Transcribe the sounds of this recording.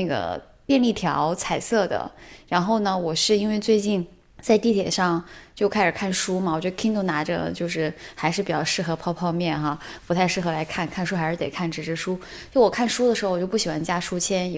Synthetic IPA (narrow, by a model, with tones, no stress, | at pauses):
na˥˩ɡə̰˩ | p̪jɛ˥˧nli˥˩p̪ʰjɑ̰˧˥ʊt͡sʰa˨˩ɪsɤ˥˩d̪ə̰˩ɻa˧˥nxo˥˩ʊnə˩wɔ˨˩ʂɻ̩˥˧i˥nwe˥˧ɪt͡swe˥˧ɪt͡ɕi˥˩˧n | t͡sa˥˧ɪt̪i˥˩t̪ʰjɛ̰˨˩ʂɑ˥˧ŋt͡ɕjo˥˧ʊkʰa˥ɪʂɻ̩˨˩kʰa˥˩nʂu˥ma˨˩wɔ˨˩t͡ɕɥd̪ə˧kʰi˥ŋt̪o˥˩ʊna˧˥ʈ͡ʂə̰˧t͡ɕjo˥˧ʊʂɻ̩˥˩xa˧˥ɪʂ̬ɻ̩˥˩pi˨˩t͡ɕjɑ˥˧ʊʂɻ̩˥˩xɤ˧˥pʰɑ˥˧ʊpʰɑ˥˧ʊmjɛ˥˩nxa˧pu˧˥t̪ʰa˥˧ɪʂɻ̩˥˩xɤ˧˥la˧˥ɪkʰa˥˩nkʰa˥˧nʂu˥xa˧ɪʂɻ̩˥˩t̪e˨˩ɪkʰa˥˩nʈ͡ʂɻ̩˧˥ʈ͡ʂʰɻ̩˧˥ʂu˥ | t͡ɕo˥˧˥wɔ˨˩kʰa˥˩nʂu˥d̪ə˨˩ʂɻ̩˧˥˧wɔ˨˩jo˥˧ʊpu˥˩ɕi˨˩xwa˧˥nt͡ɕja˥ʂu˥t͡ɕʰjɛ˥n